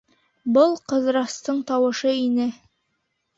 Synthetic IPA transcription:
bɤlˠqɤ̆ðɾɑst̪ɤɴt̪ɑwɤ̆ʃɤinɘ

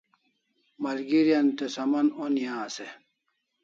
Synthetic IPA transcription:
mɐlɡiɾijɐnt̪esɐmɐnonjãːse

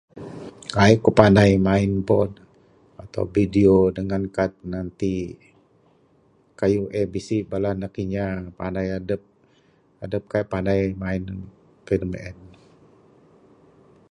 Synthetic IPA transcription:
kaikupandajmaɪnbɔd | at̪a̰wbidiodəŋankat̪̚nant̪i | kajuʔɛbisibalanakiɲapandajadəp̚ | adəp̚kapandajmaɪn | fidmɛn

